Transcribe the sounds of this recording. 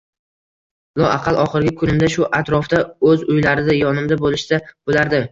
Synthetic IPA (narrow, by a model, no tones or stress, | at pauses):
lˠɒʔaqʰɑlˠʔɒχɨɾɡʲɪkʰʊnɪmd̪aʃʊʔat̪ɾɒfd̪aɵzʊjlaɾɪd̪ajɒnɪmd̪abolɪʃd̪̥ab̥olaɾd̪ɪ